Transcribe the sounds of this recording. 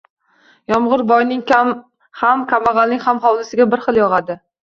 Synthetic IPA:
jɒmʁʊɾbɒjnɪŋa | hamkʲʰamaʁalnɪŋʲhamχɒwlɪsɪɡʲabɪɾχɨlˠjɒʁad̪ɪ

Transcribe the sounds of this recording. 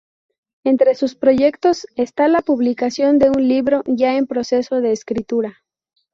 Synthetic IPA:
e̞nt̪ɾe̞suspɾo̞ʝe̞kt̪o̞se̞st̪alapuβlikasjo̞nd̪e̞unliβɾo̞ʝae̞mpɾo̞se̞so̞ðe̞ːskɾit̪uɾa

